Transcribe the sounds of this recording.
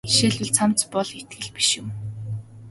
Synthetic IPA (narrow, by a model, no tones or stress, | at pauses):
ʃeːɮwɘ̆ɮt͡sʰam̥t͡spɔɮxet̪̚ɡɘ̆ɮpi̥ʃjʊ̆m